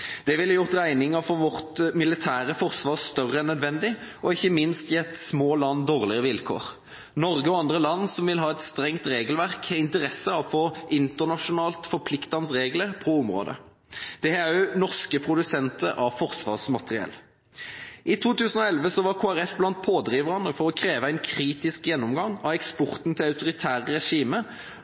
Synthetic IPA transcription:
d̪̥ɛʋɪlːəjʊʁt̪ʁæɪnɪŋəfɔʋɔʁt̪mɪlɪt̪ʰæːɾəfɔʁsʋɑːʁst̪œʁəɛnːœd̪ʋɛnd̪ɪʔɔɪçːəmɪnst̪jɛt̪ːsmoːlɑnːd̪oːʁlɪəʋɪlkʰo̰ːʁ | nɔʁɡəɔɑnd̪ʁəlɑnːsɔmʋɪlɦɑːɛt̪st̪ɾɛŋt̪ʁeːɡəlʋæʁkɛɪnt̪əɾɛsəɑfoːʔɪnt̪əʁnɑʂʊnɑːlt̪fɔʁpʰlɪkt̪ɑnsʁeːɡləʁpʰɔɔmʁo̰ːd̪ə̰ | d̪̥ɛæjʊnɔʁskəpʰʁʊd̪ʉsɛnt̪əɾʔɑfɔʁsʋɑ̰ːʁsmɑt̪əʁɪɛ̰lː | ʔɪt̪ʰuːt̪ʉːsən̩ɔɛlʋəsɔʋɑʁkʰoːæʁɛfblɑnt̪̚pʰoːd̪ʁiːʋəʁɑnəfɔʁɔkʰɾeːʋəæɪnkʰɾiːt̪ɪskjɛnːɔmɡɑŋɑɛkspɔʁt̪nt̪ʰɪlɑʉt̪ʊʁɪt̪ʰæːʁəɾɛʂiːmə

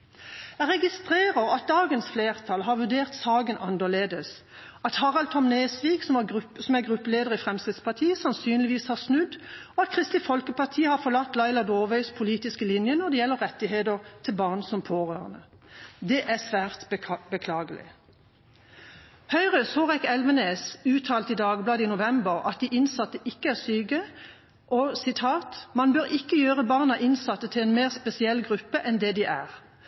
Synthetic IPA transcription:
æʁɛɡɪst̪ʁeːʁəʁɑt̪̚d̪ɑːɡənsfleːʁt̪ʰɑlɦɑʁʋʉʁɖ̪eːʁt̪sɑːɡənʔɑnd̪əʁleːd̪əs | ɑt̪hɑʁɑlt̪ʰɔmneːsʋiːɡsɔmɑɡʁʉsɔmæɡʁʉpːəleːd̪əʁɪfʁɛmst̪ɛd̪spɑt̪ʰiːəsɑnsyːnlɪʋiːshɑʁsnʉd̪ɔɑt̪̚kʰʁɪst̪ɪfɔlkəpɑʁt̪ʰiːəhɑʁfɔʁlɑt̪ːlɑɪlɑd̪oːʋœʏspʰʊliːt̪ɪskəlɪnjənɔd̪ɛjɛlːəʁɛt̪ːɪheːd̪əʁt̪ʰɪlbɑːʁnsɔmpʰoːʁøːʁənə | d̪ɛʔæsʋæːʁt̪bəkʰlɑːɡəlɪ̰ | hœʏʁəsoːʁɛkɛlʋəneːsʉːt̪ʰɑːlt̪id̪ɑːɡblɑːd̪əiːnʊʋɛmbəʁɑ̰t̪̚d̪iʔɪnsɑt̪ːəʔɪkːəæʁsyːɡə | ʔɔsɪt̪ʰɑːt̪mɑnbøːʁɪkːəjøːʁəbɑːʁnɑʔɪnsɑt̪ːət̪ʰɪlɛnmeːʁspɛsɪɛlɡʁʉpːəʔɛnd̪ɛd̪ɪʔæ̰ːʁ

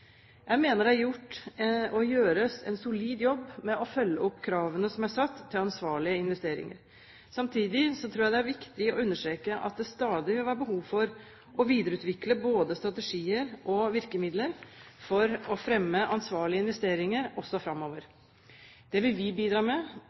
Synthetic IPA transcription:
jæɪmeːnəɖæjʊʈːɔjøːɾəsɛ̰nsʊliːd̪jɔbːmɛʔɔfœlːəɔpːkʰɾɑːʋənəsɔmæsɑt̪ʰːɪlɑnsʋɑːɭɪəɪnʋɛst̪eːɾɪ̰ŋə̰ɾ | sɑmt̪ʰiːd̪ɪsɔt̪ʰɾuːjæɪd̪ɛæɾʋɪkt̪ɪɔʉnːəʂʈ̪ɾeːkəʔɑ̰t̪̚d̪ɛst̪ɑːd̪ɪʋɪlʋæːɾəbəɦuːʋfɔɾ | ʔɔʋiːd̪əɾəʉːt̪ʋɪkləboːd̪əst̪ɾɑt̪ɛʂiːəɾʔɔʋɪɾkəmɪd̪ləɾfɔɾɔfɾɛmːəʔɑnsʋɑːɭɪəɪnʋɛst̪eːɾɪŋəɾɔsːɔfɾɑmːoːʋəɾ | d̪̥ɛʋɪlʋɪbiːd̪ɾɑːmɛ

